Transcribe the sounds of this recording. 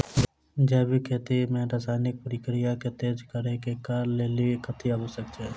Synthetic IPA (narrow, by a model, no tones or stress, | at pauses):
d͡ʒɛːbʱikʰeːt̪imẽɾaːsaːɪnɪk̚pəɾiːkɾijaket̪eːd͡ʒkəɾekekaɾleːlikʰət̪ʰiabəsək̚t͡ʃe